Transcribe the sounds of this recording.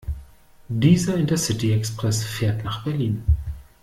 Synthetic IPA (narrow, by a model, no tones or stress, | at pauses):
diːzɐɪntɐsɪtiɛkspʁ̥ɛsfeːɐtnaːχb̥ɛɐliːn